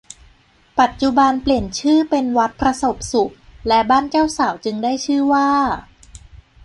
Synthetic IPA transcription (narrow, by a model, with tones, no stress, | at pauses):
pa˨˩t̪̚t͡ɕu˨˩ba˧npli˨˩ənt͡ɕʰɯː˥˩pe˧nwa˦˥t̪̚pʰɾa˧so˨˩p̚su˨˩k̚lɛ˦˥baː˥˩nt͡ɕaː˥˩wsaː˩˦wt͡ɕɯ˧ŋdaː˥˩jt͡ɕʰɯː˥˩waː˥˩